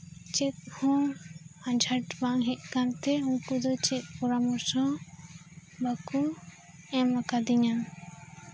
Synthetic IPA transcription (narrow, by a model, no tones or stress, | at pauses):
t͡ʃɛt̪̚hɔ̃ | ad͡ʒʱaʈbaŋɦɛʔ̚kant̪ɛũŋkud̪ɔt͡ʃɛt̪̚ˀpɔɾamɔɾsɔ | baku | ɛmakad̪iɲan